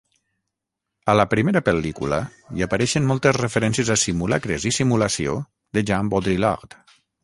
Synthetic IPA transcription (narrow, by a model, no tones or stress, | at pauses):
ələpɾimeɾəpelikṵlə̰iapaɾɛʃənmɔlˠt̪əzrefeɾɛnsiəzasimulakɾezisimulasio̰ | ðəʒambod̪ɾilɔ̰ʁt̪